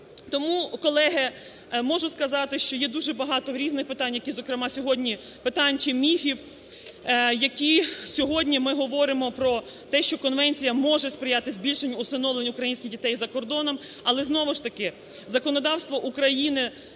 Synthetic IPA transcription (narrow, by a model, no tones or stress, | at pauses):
t̪ɔmukɔlˠɛɦɛ | mɔʒʊskɐzɑt̪ɪʃt͡ʃɔjɛd̪uʒɛbɐɦɑt̪ɔɾʲiznɪxpɪt̪ɑnʲjɐkʲizɔkɾɪmɑsʲɔɦɔdʲnʲi | pɪt̪ɑnʲt͡ʃɪmʲifʲiw | jɐkʲisʲɔɦɔdʲnʲimɪɦɔʋɔɾɪmɔpɾɔ | t̪ɛʃt͡ʃɔkɔnʋɛnʲt͡sʲijɐmɔʒɛspɾɪjɑt̪ɪzʲbʲilʲʃenʲːɐʊsɐnɔʋlˠenʲʊkɾɐjinʲsʲkʲɪɣdʲit̪ɛjzɐkɔrd̪ɔnɔm | ɐlˠɛznɔʋʊʃt̪ɐkɪ | zɐkɔnɔd̪ɑwst̪ʋɔʔukɾɐjinɪ